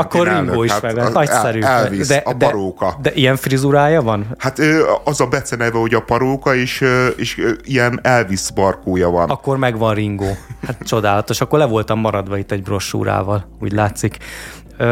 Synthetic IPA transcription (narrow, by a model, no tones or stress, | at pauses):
ɒkːorrŋɡoːiʃmɛɡʋɒnnɒcsɛɾyːid̪ɛp̪ɛɒɾoːkɒd̪ɛʔijɛɱfrizuɾaːjɒvɒnhat̪øːɒzɒbɛt̪sɛnɛvɛho̞ɟɒpɒɾoːkɒeːʃøeːʃijɛnɛlvisbɒrkoːjɒvɒnɒkkːo̞rmɛɡʋɒnriŋɡoːat̪t͡ʃo̞d̪aːlɒt̪o̞ʃɒkːo̞rlɛvo̞lt̪ɒmːɒɾɒd̪ʋɒit̪ːɛɟbro̞ʃṵɾa̰ːvɒlṵːɟlaːt̪sikː